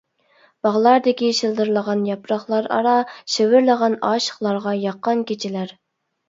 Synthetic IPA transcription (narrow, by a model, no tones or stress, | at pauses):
b̥ɑʁlˠɑɾd̪ɪkʲiʃɨlˠd̪ɨɾlˠəʁɑnjɑpɾɑχlˠɑɾɑ̰ɾɑʃewɪɾlˠəʁɑnɑːʃə̥χlˠɑɾʁɑjɑqːɑnkʲet͡ʃʰɪlæɾ